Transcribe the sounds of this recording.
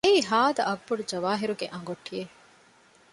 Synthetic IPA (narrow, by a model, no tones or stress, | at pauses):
eiɦaːd̪ɐʔɐɡbuɽud͡ʒɐʋaːɦiɾuɡeʔɐ̃ŋɡoʈʰːije